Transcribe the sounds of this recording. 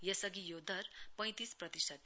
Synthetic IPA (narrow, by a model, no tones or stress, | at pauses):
jʌsʌɡijod̪ʱʌrpʌ̃j̃t̪isprʌt̪isʰʌt̪